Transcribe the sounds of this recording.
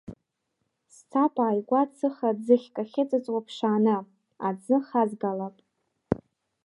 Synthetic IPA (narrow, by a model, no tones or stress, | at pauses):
st͡sʰapʼaːjɡʷat͡sʰɨχad͡zɨχʲkʼaχʲɪt͡sʼɨt͡sʼwʷapʰʂaːnɨ | ad͡zɨχazɡalapʼ